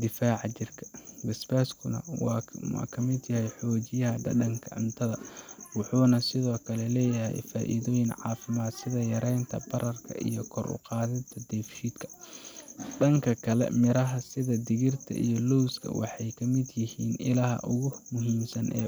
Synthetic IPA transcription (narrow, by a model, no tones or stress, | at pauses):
d̪ɪfaːʕɑt͡ʃɪrkʰɐ̥bɪsbɛːskʰʊnɐ̰wɑ̰kʰɐmɪd̪jɐhɛjħɔːt͡ʃɪjɐɦɐɖɐɖɐŋkʰɐʕɪ̰nt̪ʰɐðɐwʊħuːnɐsɪðɔːkʰɐlɛlɛːjɐɦɛ̰jfaːʔḭðɔːjɪnʕɑ̰ːfɪmaːd̪sɪðɐjɐɾɛjnt̪ʰɐbɐɾɐrkʰɐ̰ʔḭjɞkʰɔɾʊ̰qɑːðɪt̪ʰɐd̪ɛːfʃiːd̪kʰɐ̥ | ɖɐŋkʰɐkʰɐlɛ̰mɪɾɐɦɐsɪðɐd̪ɪɣɪrt̪ʰɐ̰ʔḭjɔlɔwskʰɐ̰wɑ̰ħɑjkʰɐmɪd̪jɪhiːnɪ̰laɦɐ̰ʔʊɣʊmʊɦiːmsɐnʔɛ̰ː